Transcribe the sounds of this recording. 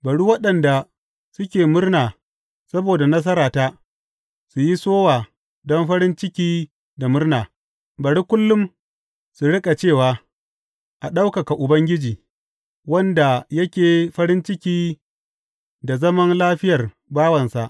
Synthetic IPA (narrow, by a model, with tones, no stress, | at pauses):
bɐ˨ɽu˦wɐ˦ɗɐ˨nda˨ | sʊ˦kʲeː˨mʊ˦rnaː˨ | sɐ˦boː˨da˨nɐ˦s̬ɐ˦ɾaː˨ta˦ | su˨ji˦soː˦waː˨ | dɔ˦mɸɐ˦ɾɪ˦nt͡ʃɪ˦kʲiː˦ | da˨mʊ˦rnaː˨ | bɐ˨ɽu˦kʷʊ˦lːʊ˦m | su˨ɽɪ˦kʼa˨t͡ʃeː˦˨waː˨ | ʔa˨ɗa˦wka˨ka˨ʔʊ˨bɐ˦ŋɡʲɪ˦d͡ʒiː˨ | wɐ˦nda˨jɐ˦kʲeː˨ɸɐ˦ɾɪ˦nt͡ʃɪ˦kʲiː˦ | da˨zɐ˦mɐ˦nlaː˦ɸɪ˦jɐ˨r | baː˦wɐ˨nsa˨ʔ